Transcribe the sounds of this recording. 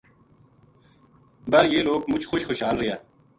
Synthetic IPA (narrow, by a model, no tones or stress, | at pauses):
bɐɾjeːloːkmʊt͡ʃxoʃxoʃɦaːlɾɪjaː